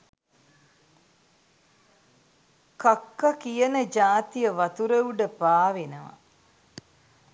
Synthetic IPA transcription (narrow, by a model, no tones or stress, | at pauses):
kakːakijənəd͡ʒaːt̪ijəʋɐt̪uɾəuɖəpaːʋenəʋa̰